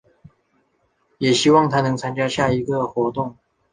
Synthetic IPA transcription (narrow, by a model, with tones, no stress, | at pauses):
jɛ˨˩ɕi˥wɑ˥˨ŋt̪ʰa˥nɤ˧˥ŋt͡sʰa˥nt͡ɕja˥ɕja˥˩i˧˥ɡə˧˨xwɔ˧˥t̪ʊ˥˩ŋ